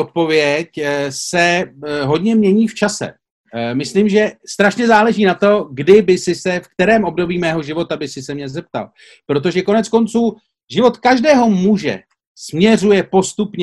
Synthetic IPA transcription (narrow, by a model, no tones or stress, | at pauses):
ot̪̚po̞vjɛcsɛɦo̞d̪ɲɛmɲɛɲiːft͡ʃasɛ̰ | mɪsliːmʒɛst̪ɾaʃɲɛzaːlɛʒiːnat̪o̞ɡdɪbɪsɪsɛfkt̪ɛɾɛːmʔo̞bdo̞biːmɛːɦo̞ʒɪvo̞t̪abɪsɪsɛmɲɛzɛp̚t̪a̰l | pɾo̞t̪̬o̞ʒɛko̞nɛt͡sko̞nt͡suː | ʒɪvo̞t̪kaʒdɛːɦo̞muʒɛ̰ | smɲɛr̝ujɛpo̞st̪upɲɛ